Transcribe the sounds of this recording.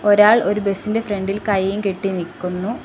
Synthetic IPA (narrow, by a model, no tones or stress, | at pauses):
o̞ɾaːɭo̞ɾube̞sinde̞fre̞ɳɖilkɐjejumkeʈːinikːunːu